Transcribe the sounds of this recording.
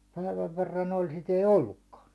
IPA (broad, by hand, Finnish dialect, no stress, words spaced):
pæiʋæʋ ʋerːɑn olʲ sit ei olːukːɑːn